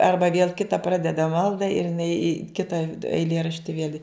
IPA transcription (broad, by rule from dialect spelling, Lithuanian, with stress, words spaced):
ˈɐrbɐ ʋʲeːlˠ ˈkʲɪtɐ ˈprɑːdʲɛdɐ ˈmɐlˠdɐ ɪr ɪˈnɐɪ ɪ ˈkʲɪtɐ ɛɪˈlʲiɛrɐʃʲtʲɪ ʋʲiɛlʲ ɪ